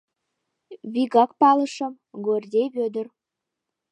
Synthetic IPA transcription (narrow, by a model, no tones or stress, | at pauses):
βiɣɑk̚pɑləʃə̆m | ɡorʲd̪ʲeβød̪ər